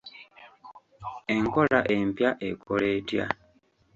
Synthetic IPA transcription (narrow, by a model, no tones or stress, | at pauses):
eŋkolaʔe̞mpjaʔekʰole̞ːtja